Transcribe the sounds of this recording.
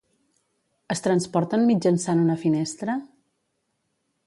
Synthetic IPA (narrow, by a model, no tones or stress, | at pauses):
əst̪ɾənspɔɾt̪ənmid͡ʒənsanunəfinɛst̪ɾə